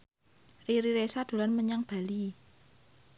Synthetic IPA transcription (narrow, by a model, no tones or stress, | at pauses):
riɾiɾesad̪̥o̤lanməɲaŋb̥a̤li